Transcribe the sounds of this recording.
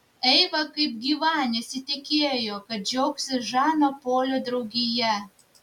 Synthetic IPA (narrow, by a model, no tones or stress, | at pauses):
ɛɪʋɐkɐɪp̚ɡʲiːʋɑːnʲesʲɪt̪ʲɪkʲeːjoːkɐt̪̚d͡ʒʲɛʊksʲɪʒɑːnopoːlʲoːd̪ɾɐʊɡʲɪjɛ